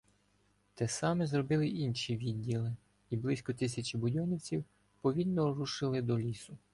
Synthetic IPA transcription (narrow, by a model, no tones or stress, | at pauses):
t̪ɛsɑmɛzɾɔbɪlˠɪʔinʲʃiʋʲidʲːilˠɪ | iblˠɪsʲkɔt̪ɪsʲɐt͡ʃibʊdʲɔnʲiwt͡sʲiw | pɔʋʲilnɔɾuʃɪlˠɪd̪ɔlʲisʊ